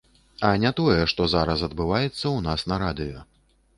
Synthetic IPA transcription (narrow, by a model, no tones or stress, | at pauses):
ɐnʲat̪ɔjɛʂt̪ɔzaɾɐs̬ɐd̪̚bɨvajɛt̪sːɐwnasnɐɾad̪ɨjɔ